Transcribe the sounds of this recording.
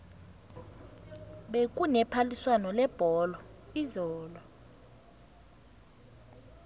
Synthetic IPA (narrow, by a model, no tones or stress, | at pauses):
ɓek̬ʼunɛpʰaliswanɔlɛb̥ʱɔlɔizɔːlɔ